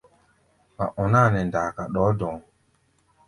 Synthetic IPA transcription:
ma˨ʔɔ˨na˦˨nɛ˨n˨daː˨ka˨ɗɔː˨˦dɔ̃˨ŋ

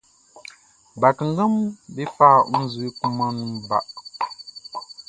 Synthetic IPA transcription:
ba˨kə˨ŋ˦ɡə˦mbi˦fa˦˨u˦zu˨i˦ku˦ma˦nu˦ŋba̰˨ʔ

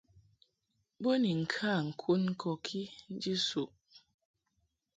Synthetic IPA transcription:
bo˦ni˨ŋ̩˨kʰa˦˨ŋ̩˨kʰu˦nŋ̩˦kʰɔ˨kʰi˦n̩˦d͡ʒi˦su˨ʔ

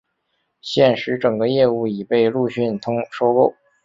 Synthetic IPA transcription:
ɕjɛ˥˩nʂɻ̩˧˥ʈ͡ʂɤ˨˩ŋɡə˦jɛ˥˧u˥˩i˨˩pe˥˧ɪlu˥˧ɕy˥˩nt̪ʰʊ˥ŋʂo˥ʊko˥ʊ

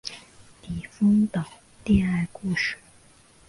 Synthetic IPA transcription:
t̪i˨˩fɤ˥ŋt̪ɑ˨˩ʊ | t̪i˥˧a˥˩ɪku˥˧˩ʂɻ̩˥˩

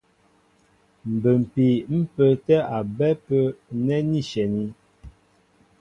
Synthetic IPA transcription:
m̩˨bə˨m̩˨pi˨m̩˦pə˨tɛ˦ʔa˨bɛ˦pə˦nɛ˦ni˦˨ʃɛ˨ni˦

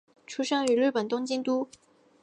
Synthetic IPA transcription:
ʈ͡ʂʰu˥ʂɑ˥ŋy˧˥ly˥˩pə˨˩nt̪ʊ˥ŋt͡ɕi˥ŋt̪u˥

